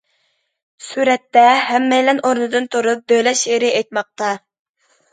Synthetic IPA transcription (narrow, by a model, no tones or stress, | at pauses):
syɾɛt̪ːɛɦɛmːɛjlɛnoɾnɨd̪ɨnt̪ʰuɾup̚d̪ølɛʃeɾɪejt̪̚mɑq̚t̪ɑ